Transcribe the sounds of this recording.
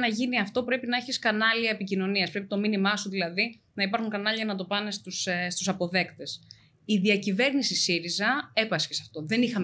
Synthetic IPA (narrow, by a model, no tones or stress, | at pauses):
nɐʝiniɐft̪o̞pɾe̞pinɐe̞çiskɐnɐliɐepicino̞niɐspɾe̞pit̪o̞minimɐsuðilɐði | nɐipɐɾxuŋkɐnɐliʝɐnɐt̪o̞pɐne̞st̪usst̪usɐpo̞ðe̞kt̪e̞s | iðiɐcive̞ɾnisisiɾizɐe̞pɐscesɐft̪o̞ðe̞nixɐm